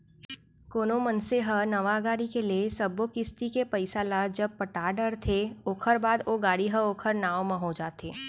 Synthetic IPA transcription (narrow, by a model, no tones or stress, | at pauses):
koːnomənseɦənɐʋaɡaːɽikeliesɐbokɪst̪ikepɐɪsalad͡ʒɐb̚pəʈaːɖəɾt̪ʰeoːkʰəɾbaːd̪oɡaːɽiɦəoːkʰəɾnaːwmãɦod͡ʒaːt̪eː